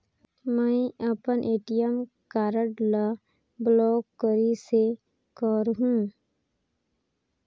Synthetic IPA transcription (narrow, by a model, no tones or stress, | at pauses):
məĩəpənʔeːʈijəm | kaːɾəʈla | blɔːkːəɾise | kɔɾɦũ